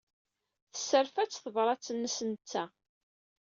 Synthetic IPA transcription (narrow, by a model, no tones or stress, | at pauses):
θə̥sːəɾfæt͡sːθəvɾˤɑt͡sːənːəsənt͡sːæ